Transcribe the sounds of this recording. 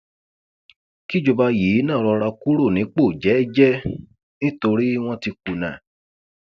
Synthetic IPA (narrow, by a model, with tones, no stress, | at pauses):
ki˦˨d͡ʒo˨ba˧ji˨˦nã˦˨˧ɾɔ˧ɾa˧ku˦ɾo˦˨nĩ˨˦k͡po˦˨d͡ʒɛ˨˦˨d͡ʒɛ˦ | nĩ˦to˧ɾi˦w̃ɔ̃˦ti˧ku˨nã̰˨